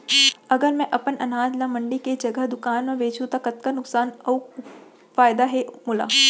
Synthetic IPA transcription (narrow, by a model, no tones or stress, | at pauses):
ɐɡəɾmɛ̃ʔɐpənɐnaːd͡ʒlamɐ̃ɳɖiked͡ʒɐɡəɦd̪ʊkaːnmẽʋeːt͡ʃũt̪akɐt̪kanʊksaːnɐː | faːjd̪aɦemʊla̰ː